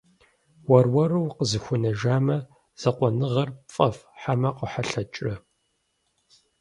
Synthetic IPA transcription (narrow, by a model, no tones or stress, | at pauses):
wɐrwɐɾɨwqəzɨxʷʊnɐʒaːmɐ | z̥ɐqʷɔnɨʁɐrfʼɐfħamɐqəħaɬɐt͡ʃʼrɐ